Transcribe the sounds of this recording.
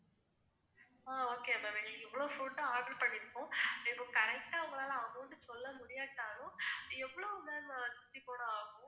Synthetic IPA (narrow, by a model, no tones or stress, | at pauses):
aːoːkeːɐmɐʋeːɡɐɭɛʋːɐɭoːfuːɳʈɐaːɡɪʈpɐɳːɪɾɯkːʊ̃ːɛpõkɐɾɛk̚ʈaːʋɐŋɡɐɭaːlɐɐʋɐŋɡɐʋʊɳɖɯsɔlːɐmʊɽɪjaːʈ̪ːaːnʊ̃ɛʋːɐɭoːmeːnsʊ̥t̪ːipːoːɽɐ̃aːɣʊ̃